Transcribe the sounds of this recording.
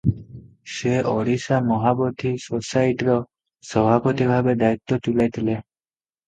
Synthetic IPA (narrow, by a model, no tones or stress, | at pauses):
seɔɽisamɔɦabɔt̪ʰisosajʈiɾɔ | sɔbʱapɔt̪ibʱabed̪ajit̪ːɔt̪ulajt̪ʰile